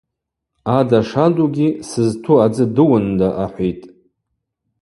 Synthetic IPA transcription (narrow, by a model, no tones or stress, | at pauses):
adaʂaduɡʲisɨztʰuad͡zɨdɨwʊndaʔaħʷijtʼ